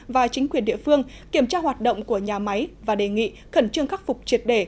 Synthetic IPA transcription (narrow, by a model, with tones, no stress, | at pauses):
vaː˨˩t͡ɕï˨˦ŋ̟kwi˨˩ənɗḭ˧˨əfɨ˧əŋ | ki˧˩əmt͡ɕaː˧hwaː˨˩t̚ɗo̰˧˨wŋ͡mku˧˩əɲaː˨˩ma˨˦jvaː˨˩ɗe˨˩ŋḭ˧˨ | xə˧˩nt͡ɕɨ˧əŋxa˦˥k̚fʊ˨˩k͡p̚t͡ɕi˨˩ət̚ɗe˧˩